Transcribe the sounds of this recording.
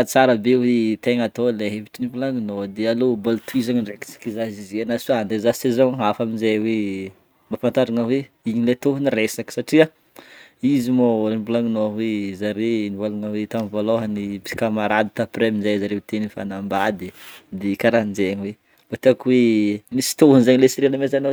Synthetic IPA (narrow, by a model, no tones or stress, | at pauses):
t͡saɾəbewet̪eŋat̪oleɦeviʈ͡ʂinibulaŋinod̪ealobolt̪uizaŋinreki̥t͡si̥kizazizianasuand̪ezasezaɦafaminzajwe | mafant̪aɾaŋəweiɲilet̪oɦniresaki̥saʈ͡ʂia | izimoibulaŋinowezaɾenivalaŋəwet̪amvoloɦanipi̥kamaɾad̪it̪apɾeminzajzaɾewt̪enifa̰nambad̪id̪ekaɾand͡ʒeɲiwe | bat̪eakwenisi̥t̪oɦunzaɲilesiɾinəmezano